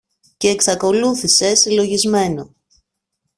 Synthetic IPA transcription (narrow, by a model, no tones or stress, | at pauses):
ce̞ːksɐko̞luθise̞silo̞ʝizme̞no̞